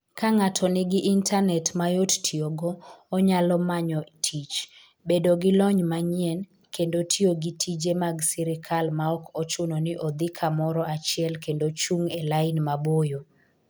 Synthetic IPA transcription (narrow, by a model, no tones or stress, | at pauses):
kaŋatʰɔnɪɡɪʔintʰanɛtmajottʰioɡɔːɲalɔmaɲɔtʰit͡ʃ | bedoɡɪlɔɲmaɲɛn | kʰendotʰioɡitʰid͡ʒemaɡsɛɾɪkʰalmaɔkʰɔt͡ʃʊnɔnɪʔɔd̪ɪkʰamɔɾɔat͡ʃɪɛlkendot͡ʃuŋelaɪnmabojo